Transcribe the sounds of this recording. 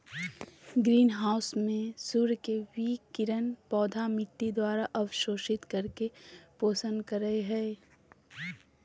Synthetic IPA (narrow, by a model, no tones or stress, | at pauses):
ɡɾiːnɦaːʊsmẽsuːɾkewiːkɪɾənpɔːd̪ʱamɪʈːid̪waːɾaʔɐʋʃoːʃɪt̪kɐɾkepoːsə̃nd̪kəɾəeɦɛː